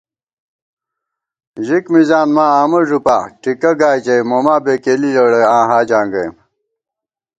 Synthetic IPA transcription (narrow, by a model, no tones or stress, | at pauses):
ʑikmizaːnmaːaːmɐʐupa̰ːʈikɐɡaːjd͡ʑɐjmoːmaːbeːkeːliloːɽeãːɦaːd͡ʑãːŋɡɐjm